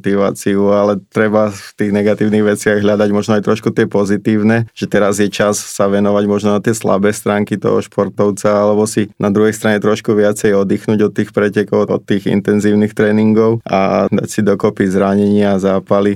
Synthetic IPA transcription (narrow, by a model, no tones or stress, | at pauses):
t̪iʋa̰ːt͡siualɛt̪ɾɛbaft̪iːɣnɛɡat̪iːʊniɣʋɛt͡sɪaɣɦʎad̪aɟmɔʒnɔajt̪ɾɔʃkut̪ɪɛpɔzit̪iːʊnɛʒ̥ɛt̪ɛɾazjɛt͡ʃassaʋɛnɔʋaɟmɔʒnɔnat̪ɪɛsla̰bɛːst̪ɾaːŋkit̪ɔ̰ɦɔ̰ʃpʰɔɾt̪ɔʊt͡saalɛbɔsinʔad̪ɾuɦɛjst̪ɾaɲɛt̪ɾɔʃkuʋɪat͡sɛjɔd̪iːxnuːɟɔt̪ːiːxpɾɛcɛkɔʊɔ̰t̪ːiːɣḭnt̪ɛnziːʊnixt̪ɾɛːniŋɡɔʊa̰d̪a̰csid̪ɔkɔpizɾaɲɛɲɪazaːpali